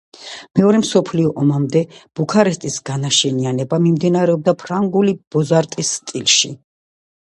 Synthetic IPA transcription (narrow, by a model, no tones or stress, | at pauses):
mɛɔɾɛmsɔpʰliɔʔɔmamd̪ɛb̥ukʰaɾɛst̪ʼisɡanaʃɛnianɛbamimd̪inaɾɛɔb̚d̪apʰɾaŋɡulib̥ɔzaɾt̪ʼisːt̪ʼilˠʃi